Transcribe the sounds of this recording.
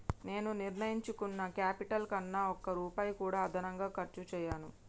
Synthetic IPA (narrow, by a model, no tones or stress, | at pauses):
ne̞ːnuniɾnɐjiɲt͡ʃukunːɐkaːpiʈɐlkɐnːaːɔkːɐɾuːpaːjkuːɽaːɐd̪ʱɐnɐŋɡaːkɐɾt͡ʃut͡ʃɛːjaːnu